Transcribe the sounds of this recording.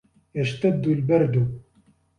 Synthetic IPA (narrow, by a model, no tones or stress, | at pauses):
ɛʃt̪ɐd̪ulbɛɾd̪u